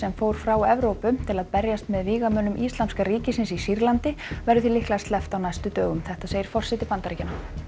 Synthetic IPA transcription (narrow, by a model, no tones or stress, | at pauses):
sɛmfoːwɾ̥fɾawɛvɾoːwpʏt̪ʰɪlaðpɛɾjast̪mɛðviːɣamœːnːʏmʔist̪lant̪skaɾiːcɪsɪnsisiɾlant̪ɪvɛɾʏθilɪhklast̪lɛft̪awnajst̪ʏt̪œːɣʏmθɛht̪aseːjɪɾfɔr̥sɛt̪ɪpant̪aɾicɪna